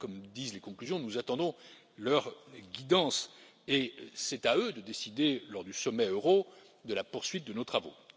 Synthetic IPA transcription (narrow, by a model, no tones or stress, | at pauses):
kɔmd̪izlekɔ̃klyzjɔ̃nuzat̪ɑ̃d̪ɔ̃ | lœʁɡʲid̪ɑ̃s | esɛt̪aød̪əd̪esid̪elɔʁd̪ysɔmɛøʁo | d̪əlapuʁsɥit̪̚d̪ənot̪χavo̰